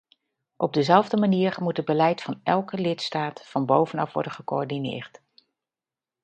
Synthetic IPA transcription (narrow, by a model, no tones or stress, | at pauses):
ʔɔb̚dəzɛlˠvdəmaniːəɹmutəd̚bəlɛjtfɑnɛlˠkəlɪtstaːtfɑnbowvənɑfʋɔ̰ɹdəχəkoɔɹdinɪ̰ːɹt